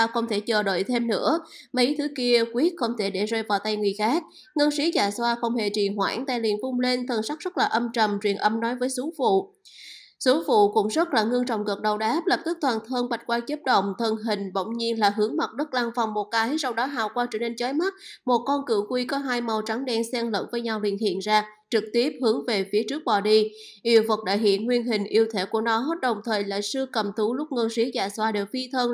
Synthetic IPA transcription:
xə˧wŋ͡mt̪ʰe˧˩t͡ɕəː˨˩ɗo̰˧˨jt̪ʰe˧mnɨ̰˧˥əmə˨˦jt̪ʰɨ˨˦ki˧əkwi˦˥ət̚xə˧wŋ͡mt̪ʰe˧˩ɗe˧˩zəː˧jvaː˨˩wt̪a˧jŋɨ˨˩əjxaː˦˥k̚ | ŋə˧nsi˨˦zaː˧˩swaː˧xə˧wŋ͡mhḛ˧˩t͡ɕḭ˨˩ɦwa̰ː˧˩ŋt̪aː˧jlḭ˨ənfʊ˧ŋ͡mle˧nt̪ʰə˨˩nsa˦˥k̚z̥ə˦˥t̚laː˨˩ʔə˧mt͡ɕə̰˨˩mt͡ɕwḭ˧˨˩ənʔə˧mnɔ˨˦jvəː˨˦jsu˨˦fṵ˧˨ | su˨˦fṵ˧˨kʊ̰˧˥wŋ͡mzə˦˥t̚laː˨˩ŋɨ˧əŋt͡ɕɔ̰˧˨wŋ͡mɣə˨˩t̚ɗə˨˩wɗaː˨˦p̚lə˨˩p̚t̪ɨ˦˥k̚t̪waː˨˩nt̪ʰəː˧nɓa˨˩jt̚kwaː˧t͡ɕə˦˥p̚ɗə̰˧˨wŋ͡mt̪ʰə˨˩nɦï˨˩ŋ̟ɓə̰˧˨wŋ͡mɲi˧ənlaː˨˩ɦɨ˨˦əŋma˨˩t̚ɗə˦˥k̚laː˧ŋva˨˩wŋ͡mmo˨˩t̚kaː˨˦jsa˧wɗɔ˨˦ɦa̰ː˧˨wkwaː˧t͡ɕə˧˩ne˧nt͡ɕəː˨˦jma˦˥t̚mo˨˩t̚kɔ˧nkɨ̰˧˩kwi˧kɔ˨˦ɦaː˧jma˨˩wt͡ɕa˨˦ŋɗɛ˧nsɛ˧ŋlə̰ː˧˥nvəː˨˦jɲa˧wlḭ˧˨ənhḭ˧˨ənzaː˧ | t͡ɕɨ˨˩k̚t̪i˦˥əp̚hɨ˨˦əŋve˨˩fi˨˦ət͡ɕɨ˦˥ək̚ɓɔ˨˩ɗi˧ | ʔi˧˩əwvə˨˩k̚ɗa̰ː˧˨jɦḭ˧˨ənŋwi˧ənɦï˨˩ŋ̟ʔi˧əwt̪ʰe˧˩ku˧˩ənɔ˨˦ɦo˦˥t̚ɗə˨˩wŋ͡mt̪ʰəː˨˩jla̰ː˧˨jsɨ˧kə˨˩mt̪ʰu˨˦lʊ˦˥k͡p̚ŋəː˧si˨˦zaː˧˩swaː˧ɗe˨˩wfi˧t̪ʰəː˧n

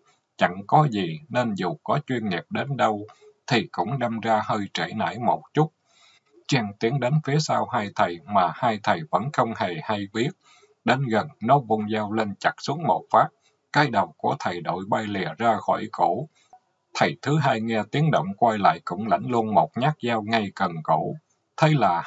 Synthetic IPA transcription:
t͡ɕa̰˧˨ŋkɔ˨˦zi˨˩ne˧nzu˨˩kɔ˨˦t͡ɕwi˧ənŋi˨˩p̚ɗe˨˦nɗə˧wt̪ʰi˨˩kʊ̰˧˥ŋ͡mɗa˧mzaː˧həː˧jt͡ɕe˧˩na̰ː˧˥˩jmo˨˩t̚t͡ɕʊ˦˥t̚ | t͡ɕɛ˧ŋt̪i˨˦əŋɗe˨˦nfi˨˦əsaː˧whaː˧jt̪ʰə˨˩jmaː˨˩haː˧jt̪ʰə˨˩jvə̰˧˥nxə˧wŋ͡mhe˨˩ha˧jɓi˦˥ət̚ | ɗe˨˦nɣə˨˩nno˨˦vu˧nzaː˧wle˧nt͡ɕa˦˥k̚su˨˦əŋmo˨˩t̚faː˦˥p̚ | kaː˧jɗə˨˩wku˧˩ət̪ʰə˨˩jɗo̰˧˩˨jɓa˧jlḭ˧˨əzaː˧xɔ̰˧˩jko̰˧˩ | t̪ʰə˨˩jt̪ʰɨ˨˦ɦaː˧jŋɛ˧t̪i˨˦ənɗo̰˧˨wŋ͡mkwa˧jla̰ː˧˨jkʊ̰˧˥ŋ͡mla̰˧˥˩jŋ̟lu˧ənmo˨˩t̚ɲa˦˥k̚zaː˧wŋa˧jkə˨˩nko̰˧˩˨ | t̪ʰə˨˦jlaː˨˩

